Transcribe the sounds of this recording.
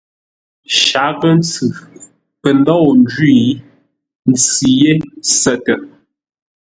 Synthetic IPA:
ʃa˨˦ɣə˦n˦t͡sʉ˨ | pə˨n˦dɔ˦˨n˦d͡ʒwi˦˨˦ | n̩˨t͡si˨je˦sə˦˨tə˨ʔ

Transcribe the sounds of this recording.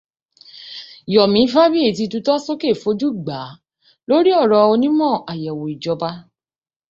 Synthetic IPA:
jɔ˨mĩ˨˦fa˦bi˦e˦˨ti˧tu˧tɔ˦so˦ke˦˨fo˨˦d͡ʒu˦ɡ͡ba˨˦ | lo˦ɾi˦ɔ˦˨ɾɔ˧o˧nĩ˦mɔ̃˦˨a˨jɛ˨wo˨i˨d͡ʒɔ˧ba˧

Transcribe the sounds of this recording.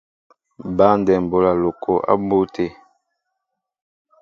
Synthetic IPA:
ba˦n˦dɛ˨m̩˨bo˦la˨lo˨kʰo˨ʔa̰˦bo˦tʰe˨

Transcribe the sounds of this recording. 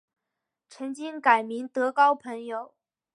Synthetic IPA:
ʈ͡ʂʰə˧˥ŋt͡ɕi˥ŋka˨˩ɪmi˧˥ŋt̪ɤ˧˥kɑ˥ʊpʰə˧˥ŋjo˨˩˦ʊ

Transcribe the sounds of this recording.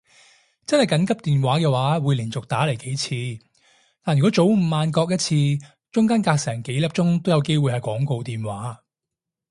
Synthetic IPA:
t͡sɐ˥nhɐ˨jkɐ˨˥nkɐ˥p̚t̪iː˨nwaː˨˥kɛː˧waː˨˥wuː˨˧jliː˨˩nt͡sʊ˨k̚t̪aː˨˥le˨˩jke˨˥jt͡sʰiː˧ | t̪aː˨njɥkɔ˨˥t͡so˨˥wm̩˨˩maː˧nkɔː˧k̚jɐ˥t̚t͡sʰiː˧ | t͡ʃʊ˥ŋkaː˥nkaː˧k̚sɛː˨˩ŋke˨˥jlɐ˨˩p̚t͡ʃʊ˥ŋt̪o˥wjɐ˨˧wke˥jwuː˨˧hɐ˨jkʷɔː˨˥ŋko˧wt̪iː˨nwaː˨˥

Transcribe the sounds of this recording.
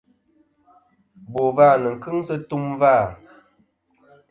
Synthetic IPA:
bo˨va˦˨nə˨ŋ̩˨kɨ˦ŋsə˦tu˦mva˦˨

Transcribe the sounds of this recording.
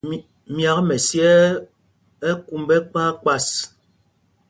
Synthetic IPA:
mja˨kmɛ˨sjɛ˦ | ɛ˦ku˦mbɛ˦k͡paː˦k͡pa˦˨s

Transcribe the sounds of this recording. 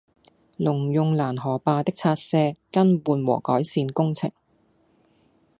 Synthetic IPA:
lʊ˨˩ŋjʊ˨˧ŋlaː˨˩nɦɔː˨˩paː˧t̪ɪ˥k̚t͡sʰaː˧t̚sɛː˧kɐ˥nwuː˨˧nwɔ̰ː˨˩kɔː˨˥jsiː˧nkʊ˥ŋt͡sʰɪ̰˨˩ŋ

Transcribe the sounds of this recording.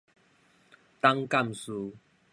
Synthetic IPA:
t̪a˦ŋka˥˨msu˧

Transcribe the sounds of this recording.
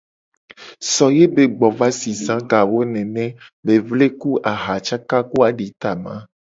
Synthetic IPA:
sɔ˨je˦be˨ɡ͡bɔ˨va˦si˨sã˦ɡa˨wo˦nɛ̃˨nɛ̃˦be˨vle˦ku˦ʔa˨ɦa˨t͡ʃa˦ka˦ku˦a˨ɖi˨t̪a˨mã̰˦

